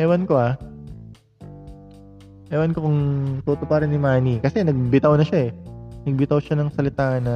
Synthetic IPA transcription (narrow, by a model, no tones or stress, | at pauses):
ʔɛwɐnkoa | ʔɛwɐnkokʊŋt̪uːt̪opɐɾɪnːɪmaːnikɐsɛnɐɡ̚bɪt̪ɐwnɐʃaʔɛnɐɡ̚bɪt̪ɐwʃanɐŋsɐlɪt̪aːʔɐnɐ